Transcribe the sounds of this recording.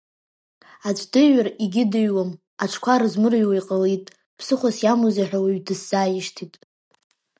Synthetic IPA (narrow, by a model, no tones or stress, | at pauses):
at͡ɕʷʰʼdɨɥariɡʲɪdɨɥwam | aʈ͡ʂʰkʷʰaɾɨzmɨrɥwajqʼalitʼ | pʰsɨχʷasjamuzeħʷᶣawiɥdɨsːaːjɪʂtʰitʼ